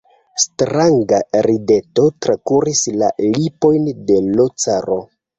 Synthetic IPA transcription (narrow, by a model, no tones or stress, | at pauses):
stɾaŋɡaɾide̞to̞tɾakuɾislalipo̞jnde̞lo̞t͡saɾo̞